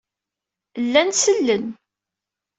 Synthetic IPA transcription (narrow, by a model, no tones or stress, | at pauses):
lːænsəlːən